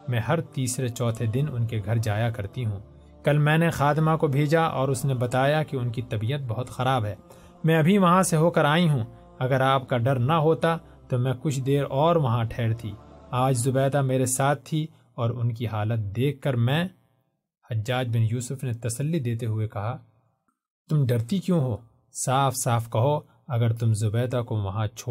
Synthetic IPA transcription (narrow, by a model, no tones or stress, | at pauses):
mɛ̃ːɦɐɾt̪iːsɾet͡ʃɔːt̪ʰed̪ɪnʊ̰nkeɡʱɐɾd͡ʒaːjakɐɾt̪iɦũː | kɐlmɛ̃ːnexaːt̪ɪmakobʱeːd͡ʒaʔɔ̰ːɾʊsnebɐt̪aːjakiʊnkit̪ɐbijət̪̚bɐɦʊt̪xɐɾaːbɦɛː | mɛ̃ɐbʱiʋɐɦãseɦoːkɐɾaːĩɦũː | ɐɡəɾaːp̚kaɖɐɾnɐɦoːt̪a | t̪omɛ̃kʊt͡ʃʰd̪eːɾɔːɾʋɐɦãʈʰɛːɽt̪ʰḭːaːd͡ʒzʊbɛːd̪ameːɾesaːt̪̚ʰːi | ɔːɾʊnkiɦaːlət̪̚d̪eːkʰːɐɾmɛ̃ː | hɐd͡ʒːaːd͡ʒbɪnjuːsʊfnet̪ɐsəlːid̪eːt̪eɦʊekɐɦa | t̪ʊmɖɐɾt̪ikjõːɦoː | saːfsaːfkɐɦo | ɐɡəɾt̪ʊmzʊbɛːd̪akoʋɐɦãt͡ʃʰoː